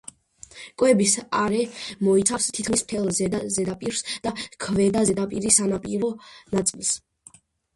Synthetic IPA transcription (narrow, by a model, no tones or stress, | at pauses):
kʼwɛbisaɾɛmɔit̪sʰafst̪ʰit̪̚kʰmism̥t̪ʰɛlˠzɛzɛd̪apʼiɾsd̪̥akʰvɛd̪azɛd̪apʼiɾisanapʼiɾɔnat̪sʼilˠs